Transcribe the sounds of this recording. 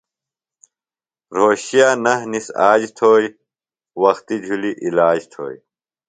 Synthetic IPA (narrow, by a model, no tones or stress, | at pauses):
ɾoːɕijaːnɐɦnisaːd͡ʑt̪ʰoːj | wɐxt̪id͡ʑʱuliʔilaːd͡ʑt̪ʰo̰ːj